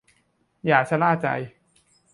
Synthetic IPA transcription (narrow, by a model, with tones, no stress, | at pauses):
jaː˨˩k̚t͡ɕʰa˧˥laː˥˩t͡ɕa̰˧j